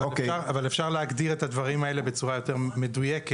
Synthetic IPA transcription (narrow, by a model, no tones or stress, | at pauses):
vaoekeʃaʁavalefʃaʁleaɡd̪iʁe̞t̪ad̪vaʁimae̞le̞be̞t͡suʁajo̞t̪e̞ʁme̞dujeke